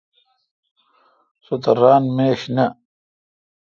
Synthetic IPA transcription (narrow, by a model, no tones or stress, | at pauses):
sut̪ɐɾaːnmeːɕnɐ